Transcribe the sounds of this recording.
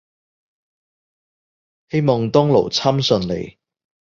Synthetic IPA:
he˥jmɔː˨˩ŋt̪ɔː˥ŋlo̰˨˩wt͡sʰaː˥msɵ˨˧nlḛ˨˩j

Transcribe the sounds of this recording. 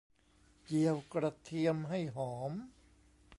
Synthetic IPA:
ji˧əwkɾa˧t̪ʰi˧əmɦa˥˩jɦɔː˩˦m

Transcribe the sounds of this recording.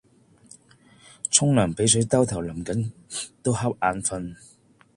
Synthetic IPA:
t͡sʰʊ˥ŋlœː˨˩ŋpe˨˥jsɵ˨˥t̪ɐ˥wt̪ʰɐ˨˩wlɐ˨˩mkɐ˨˥nt̪o˥whɐ˥p̚ʔaː˨˧nfɐ˧n

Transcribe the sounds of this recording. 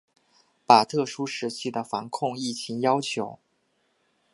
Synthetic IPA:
pa˨˩t̪ʰɤ˥˩ʂu˥ʂɻ̩˧˥t͡ɕʰi˥˩d̪ə˩fa˧˥nkʰʊ˥˧ŋi˥˩t͡ɕʰi˧˥ŋjɑ˥ʊt͡ɕʰjo˧˥ʊ

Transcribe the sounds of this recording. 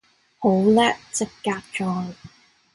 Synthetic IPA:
ho˨˥wlɛː˥t͡sɪ˥kːaː˧k̚t͡ʃɔː˧˩n

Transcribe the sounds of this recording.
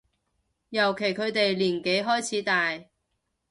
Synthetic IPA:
jɐ˨˩wkʰe˨˩jkʰɵ˨˧ɥt̪e˨jliː˨˩nke˨˥jɦɔː˥jt͡sʰiː˨˥t̪aː˨j

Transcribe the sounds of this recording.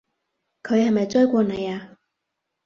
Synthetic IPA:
kʰɵ˨˧ɥhɐ˨jmɐ˨jt͡sɔː˥jkʷɔː˧nɐ˨˧jaː˧

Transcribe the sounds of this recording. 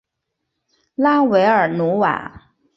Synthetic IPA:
la˥we˧˥ɪə˞˨˩nu˧˥wa̰˨˩˦

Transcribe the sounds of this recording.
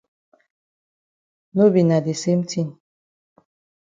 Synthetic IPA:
no˦bi˨na˨de˨se˦m̩˦tʰi˦˨n

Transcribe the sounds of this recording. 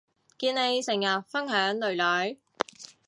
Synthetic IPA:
kiː˧nne˨˧jsɪ˨˩ŋjɐ˨t̚fɐ˥nɦœː˨˥ŋlɵ˨ɥlœː˨˥j

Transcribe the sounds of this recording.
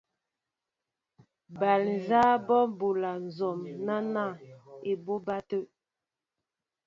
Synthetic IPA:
ba˨ln˨zaː˦bɔ˦bu˨la˨n̩˨zɔ˨mna˦na˦˨e˨bo˦ba˦tə˦ʔ

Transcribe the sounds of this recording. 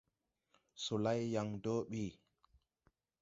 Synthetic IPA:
so˨la˦jːa˨ŋdo˦ɓiː˦˨

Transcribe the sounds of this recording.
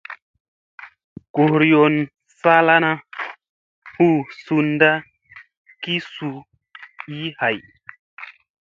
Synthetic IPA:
ɡ̥o˨hɾjo˨n | sa˦la˦na˦ | hu˦su˧nda˦ | ki˦su˧ | i˦ha˨j

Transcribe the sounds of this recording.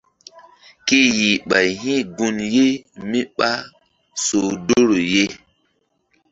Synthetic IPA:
ki˦ji˨ɓa˨jɦĩ˦ɡu˧nje˦mi˦ɓa˦ | so˨do˦ɾo˨je˦

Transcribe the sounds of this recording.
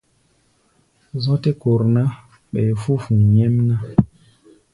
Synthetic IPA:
zɔ˦te˦ko˨ɾna˦ | ɓɛ˨fu˦fũ˨ɲɛ˦mna˦

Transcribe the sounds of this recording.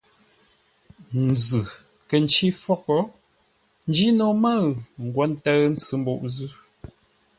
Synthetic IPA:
n˨d͡zɨ˨ | kə˨n˨t͡ʃi˦fɔ˦kɔ˦ | n̩˦d͡ʒi˦no˨mə˦ŋ̩˨ɡwɔ˨˦n̩˦tə˦n̩˦t͡sɨ˦m̩˦bo˦˨ʔzʉ˦

